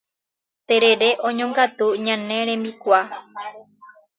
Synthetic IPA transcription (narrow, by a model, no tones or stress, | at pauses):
t̪eɾe̞ɾe̞ʔõɲõŋɡat̪uɲãnẽ̞ɾẽ̞mbikʷa